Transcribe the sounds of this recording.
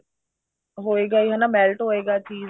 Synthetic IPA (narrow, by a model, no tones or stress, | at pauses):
ɦoːeːɡaiːɦanamɛːlʈɦoːeːɡaːt͡ʃiː